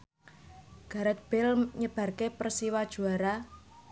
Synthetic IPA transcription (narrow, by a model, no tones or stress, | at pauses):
ɡ̥a̤ɾət̪̚b̥ɪlɲəb̥ä̤rkepərsiwad̥ʒ̥ṳaɾa